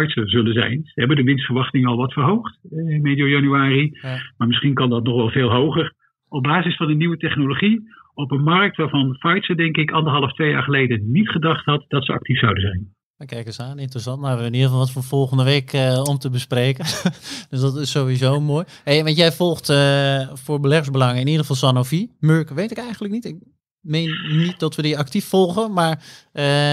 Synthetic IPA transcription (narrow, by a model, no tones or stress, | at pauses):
fɔjtsəzɵlənzɛ̰jnsəɦɛbəndəʋɪnstfəɹʋɑχtɪŋɑlˠʋɑtfərɦowχtmedjojɑnyaːrimaːɹmɪsχinkɑndɑtnɔχʋɛlˠveːlˠɦowχər | ɔb̚baːzɪsfɑnəniʋətɛχnoloχiɔpənmɑrk̚tʋaːɹvɑnfɑjtsədɛŋkɪkɑndərɦɑləftʋeja̰ːɹχəlejdənitχədɑχtɦɑtd̥ɑtsəɑ̰k̚tifsawdənzɛjn | ʋəkɛjkəsaːnɪntrəsɑntmaʋɪbənidəfɑlˠʋɔtfoːv̥ɔlˠχəndəʋeːkəɔmtəbəspreːkənd̥øsdɔtɪsːowʋizowmoːjɦejʋɑntjɛjvɔlˠxtəfʊːɹbəlɛχəɹzbəlɑŋəɪnidəχəfɑlˠsanofimøɹkʋejtɪkɛjxχən̩ləknitɪk̚ | mejnːit̚dɔtʋədiɑk̚tifːɔlˠχənmaːɹə